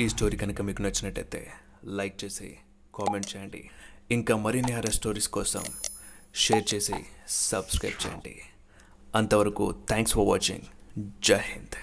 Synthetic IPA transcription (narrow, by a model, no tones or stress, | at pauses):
iːsʈo̞ːɾiːkɐnɐkɐmiːkunɐt͡ʃːinɐʈːɐjt̪e̞̰ː | lɐjk̚t͡ʃe̞ːsḭ | kaːmeɳʈ̚t͡ʃɛːjɐɳɖḭiŋkaːmɐɾiniɦaːɾɐsʈo̞ːɾiːskɔːsɐ̰mʂeːɾt͡ʃe̞ːsḭsɐbskɾɐ̰jpʈ̚t͡ʃɛ̰ːjɐ̰ɳɖḭ | ɐnt̪ɐʋɐɾɐkṵt̪ʰaːŋksfɐɾʋa̰ːt͡ʃḭŋd͡ʒahind̪